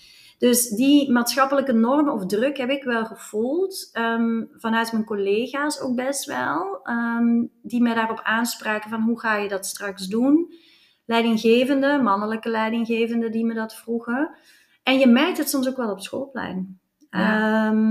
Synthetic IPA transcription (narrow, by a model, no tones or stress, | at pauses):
d̥ɵsdimaːtsxɑpələkənɔrməɔfdrɵkɦɛpɪkʋɛlˠχəv̥ulˠtəmv̥ɑnœɥtmənkoleːɣaːso̰wk̚bɛstʋɛlˠəmdiməjdaːrɔpʰaːnspraːkəvɑnɦuɣaːjədɑtstrɑksdun | lɛjdɪŋɣeːvəndəmɑnələkəlɛjdɪŋɣeːvəndədimədɑtfruɣə | ʔɛnjəmɛrk̚tɦətsɔms̬okʋɛlˠɔpsxoːlˠplɛ̰jn | əm